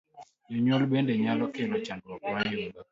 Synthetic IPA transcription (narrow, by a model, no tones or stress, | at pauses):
jɔɲwɔlbendeɲalɔkelɔt͡ʃandwɔkmao